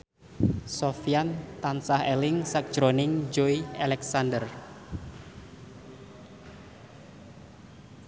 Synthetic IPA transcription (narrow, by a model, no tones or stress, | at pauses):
sofiant̪ansahɛlɪŋsak̚ʒ̥ɾonɪŋd͡ʒoialɛksandər